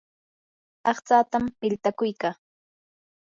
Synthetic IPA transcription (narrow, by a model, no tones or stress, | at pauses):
ɑχt͡saːt̪amːɪlt̪akʊjkaː